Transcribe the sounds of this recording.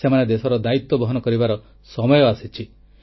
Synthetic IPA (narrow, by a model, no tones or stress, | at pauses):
semaned̪esɔɾɔd̪ait̪ːɔbɔɦɔnɔkɔɾibaɾɔ | sɔmɔjɔasit͡ʃʰi